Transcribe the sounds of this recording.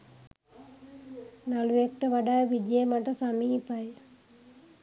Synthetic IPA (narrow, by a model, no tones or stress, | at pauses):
nalujek̚ʈəʋaɖajʋid͡ʒejmaʈəsamiːpaj